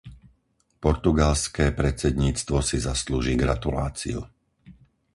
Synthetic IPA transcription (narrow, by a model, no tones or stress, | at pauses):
pɔɾt̪uɡalskɛːpɾɛt͡sɛd̪ɲiːt͡st̪ʋɔsizasluːʒiːɡɾat̪ula̰ːt͡sḭṵ